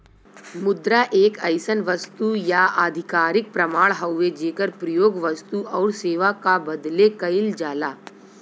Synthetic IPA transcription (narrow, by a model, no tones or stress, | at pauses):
mʊd̪ɾaʔeːkɐɪsənʋɐst̪ujaaːd̪ʱɪkaːɾɪk̚pɾɐmaːɭɦɐwʋed͡ʒeːkəɾpɾɐjoːɡʋɐst̪uʔɔːɾseːʋakabɐd̪lekɐɪld͡ʒaːlaː